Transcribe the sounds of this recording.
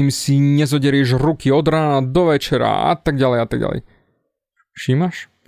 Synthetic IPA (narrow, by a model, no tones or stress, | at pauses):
imsiɲɛzɔɟɛɾɪɛʒɾukiɔd̪ɾaːnad̪ɔʋɛt͡ʃɛɾa̰a̰t̪aɡ̚ɟalɛjat̪aɡ̚ɟa̰lɛ̰j | fʃiːmaʃ